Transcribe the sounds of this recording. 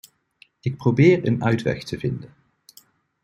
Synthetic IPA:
ɪk̚prowbɪːɹənœɥtʋɛ̰xtʰəvɪndən

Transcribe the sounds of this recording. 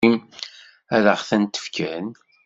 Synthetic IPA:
im | æðəʁθænt̪ə̥fkəən

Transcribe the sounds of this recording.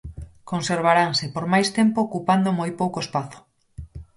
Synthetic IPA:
konseɾβ̞aɾaŋsɪpoɾmajst̪empoːkupand̪omojpowkoespaθo̥

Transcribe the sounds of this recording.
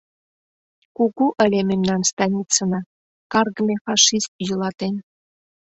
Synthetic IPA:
kuɡuʔə̆lʲememnɑnst̪ɑnʲit̪t͡sɤ̆nɑ | kɑrɡəmʲefɑʃist̪̚julˠɑt̪en

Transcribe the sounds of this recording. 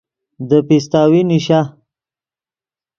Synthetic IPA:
d̪əpis̬t̪aːwiniʃa

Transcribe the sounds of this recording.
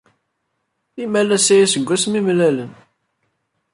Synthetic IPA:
imælæsæjæsəɡʷːæsmimlælən

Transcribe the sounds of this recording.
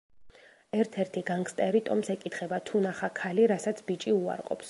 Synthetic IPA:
ɛɾt̪ʰɛɾt̪ʰiɡaŋkst̪ʼɛɾit̪ʼɔmsɛkʼit̪ʰχɛbat̪ʰunaχakʰaliɾasat̪sʰbit͡ʃʼiua̰ɾqʼɔ̰ps

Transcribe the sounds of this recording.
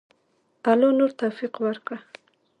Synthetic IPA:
alonoɾt̪afiqwaɾkɽa

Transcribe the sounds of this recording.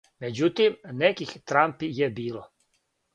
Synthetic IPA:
med͡ʑut̪imnekixt̪ɾampijebiːlo

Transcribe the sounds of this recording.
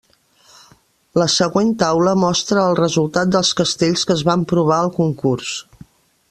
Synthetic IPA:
ləsəɣwent̪awləmɔst̪ɾəːlˠrəzulˠt̪at̪̚d̪əlˠskəst̪eʎskəːzβampɾuβ̞aəlˠkuŋkurs

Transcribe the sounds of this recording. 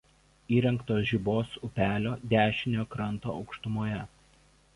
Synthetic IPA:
iːɾʲɛŋkt̪oːsʒʲiboːsʊpʲæːlʲoːd̪ʲæːʃʲɪnʲoːkɾɐnt̪o̰ːɒʊkʃt̪ʊmoːjɛ

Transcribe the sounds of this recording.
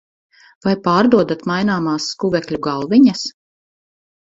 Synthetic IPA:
vajpaːɾd̪uɔd̪at̪majnaːmaːsːkuvɛkʎʲuɡalˠviɲas

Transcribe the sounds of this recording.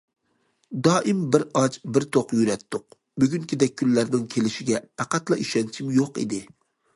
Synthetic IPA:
d̪ɑːʔɪmbɪɾɑt͡ʃbɪɾt̪ʰoqjyɾɛt̪ʰːʊq | byɡʲyŋkʲʰid̪ɛkʲʰːynːæɾnɪŋkʲʰelɪʃɪɡʲɛpʰæqæt̪lˠɑʔiʃɛnt͡ʃʰimjoqḭd̪ɪ

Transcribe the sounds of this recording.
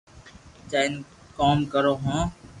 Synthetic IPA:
t͡ʃaːn | koːmkəɾoːɦõː

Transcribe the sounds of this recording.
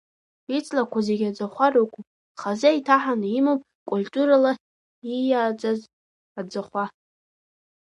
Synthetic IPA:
it͡sʼlakʷʰazeɡʲad͡zaχʷarokʷupʼ | χazaitʰaħanimopʼkʷʼultʼuɾala | ijaːd͡zaz | ad͡zaχʷa

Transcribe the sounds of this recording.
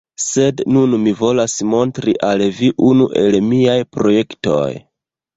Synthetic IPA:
se̞dnunmivo̞lasmo̞ntɾiʔalviʔunuʔe̞lmiajpɾo̞je̞kto̞̰j

